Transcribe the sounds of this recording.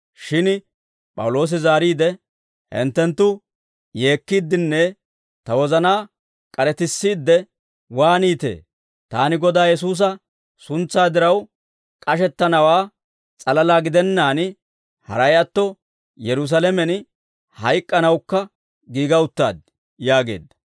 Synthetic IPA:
ʃɪn | pʼɐ̰wʊlo̞ːs̬ɪzaːɾiːd̪ɛ | hɛ̰nt̪ːɛnt̪ːʊ | jeːkːiːd̪ːɪnːɛ | t̪ɐwɔzɐnaː | kʼɐɾɛt̪ɪsːiːd̪ːɛ | waːniːt̪ḛː | t̪aːnɪɡɔd̪aːjɛs̬uːs̬ɐ | sʊnt͡sːaːd̪ɪɾɐw | kʼɐʃɛt̪ːɐnɐwaː | t͡sʼɐlɐlaːɡɪd̪ɛnːaːn | hɐ̰ɾɐjɐt̪ːɔ | jɛɾʊs̬ɐlɛmɛn | hɐjkʼːɐnɐwkːɐ | ɡiːɡɐʊt̪ːa̰ːd̪̚ | jaːɡe̞̰ːd̪ːɐ̥

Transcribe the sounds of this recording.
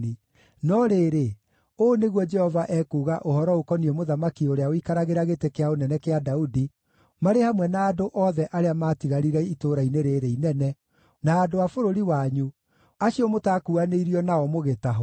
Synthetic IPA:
i | nɔɾeːɾe | oːneɣwɔd͡ʒɛhɔvaʔɛkuːɣaʔohɔɾɔokɔniɛmoðamakioɾeaoikaɾaɣeɾaɣetekeaonɛnɛkeadaudi | maɾehamwɛnaːdoʔɔðɛʔaɾeamaːtiɣaɾiɾɛitoɾaineɾeɾeinɛnɛ | naːdoafoɾoɾiwaɲu | aʃiɔmotakuaneiɾiɔnaɔmoɣetaɦɔ

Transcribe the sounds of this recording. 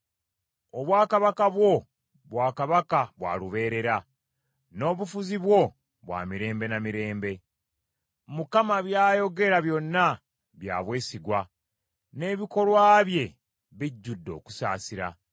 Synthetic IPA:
o̞βwaːkaβakaβwo̞ | βwaːkaβakaβwa̰ːluβe̞ːɾe̞ɾa | no̞ːβufuziβwo̞ | βwa̰ːmiɾe̞ːmbe̞namiɾe̞ːmbe̞ | mukamaβjaːjo̞ɡe̞ɾaβjo̞nːa | βja̰ːβwe̞ːsiɡwa | ne̞ːβiko̞lwaːβje̞ | βiɟːudːo̞ːku̥sa̰ːsiɾa̰

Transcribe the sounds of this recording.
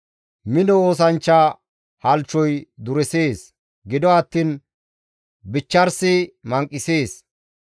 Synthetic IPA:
mɪnɔoːs̬ɐnt͡ʃːa | hɐlt͡ʃːɔjd̪ʊɾɛseːs | ɡɪd̪ɔɐt̪ːiːn | bɪt͡ʃːɐɾsɪmɐŋkʼːɪseːs

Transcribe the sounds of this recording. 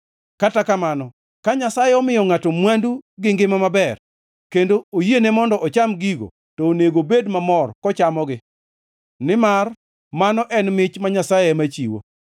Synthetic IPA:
katakamanɔ | kaɲasajɛɔmɪjɔŋatomwanduɡɪŋɡɪmamabɛr | kendoojenemɔndɔʔɔt͡ʃamɡiɡo̰ | tɔːneɡobedmamɔrkɔt͡ʃamɔɡɪ | nɪmar | manɔʔɛnmɪt͡ʃmaɲasajɛmat͡ʃḭwo̰

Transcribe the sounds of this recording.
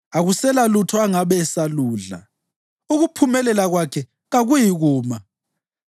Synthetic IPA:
aɣusɛlalutʰɔaŋaβɛsaluːɮa̰ | uɣupʰumɛlɛlaɣwakʰɛ | ɣaɣujiɣuːma

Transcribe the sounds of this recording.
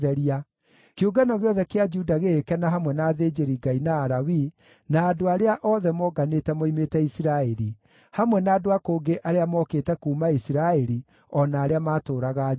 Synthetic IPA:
ðɛɾia | keuɡanɔɣeɔðɛkead͡ʒudaɣekɛnaɦamwɛnaːðeːd͡ʒeɾiɡainaːɾawi | naːdoaɾeaʔɔðɛmɔɡanetɛmoimetɛisiɾaɛɾi | hamwɛnaːdoakoːŋɡeʔaɾeamɔkeːtɛkuːmaisiɾaɛɾi | ɔnaːɾeamaːtoːɾaɣa

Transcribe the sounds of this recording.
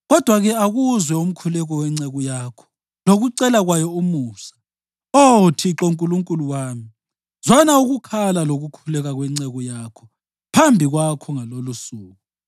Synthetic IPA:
ɣɔd̥ʱwaɣɛaɣuzwɛum̩kʰulɛɣɔwɛŋ͡ǀɛɣujaːkʰɔ̥ | loɣuǀɛlaɣwajɔumuːsḁ | otʰiǁoŋkʼuluŋkʼuluwaːmi | zɔnauɣukʰalaloɣukʰulɛɣaɣwɛŋ͡ǀɛɣujaːkʰɔ̥ | pʰambʱiɣwakʰɔŋalolusuːɣu

